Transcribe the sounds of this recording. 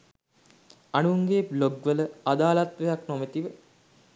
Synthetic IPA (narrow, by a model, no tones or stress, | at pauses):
anuŋɡeːbloɡʋələad̪aːlat̪ʋejaknomət̪iʋə